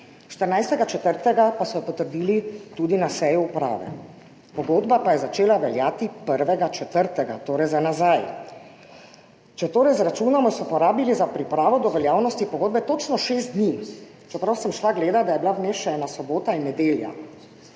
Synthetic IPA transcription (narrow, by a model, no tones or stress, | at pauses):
ʃt̪əɾnajst̪ɛɡat͡ʃɛt̪əɾt̪ɛɡapasɔpɔt̪əɾd̪iːlit̪uːd̪inasɛjuːpɾa̰ːʋɛ̰ | pɔɡoːd̪bapajɛzat͡ʃeːlaʋɛljaːt̪ipəɾʋɛɡat͡ʃɛt̪əɾt̪ɛɡat̪oːɾɛjzanazaj | t͡ʃɛt̪oːɾɛjzɾat͡ʃuːnɔmɔsɔupɔɾaːbilizapɾipɾaːʋɔd̪ɔʋɛljaːwnɔst̪ipɔɡoːd̪bɛt̪ot͡ʃnɔʃeːst̪̚d̪niː | t͡ʃɛpɾawsɛmʃlaɡleːd̪ad̪ajɛbilawmeːʃɛnasɔboːt̪ainːɛd̪eːlja̰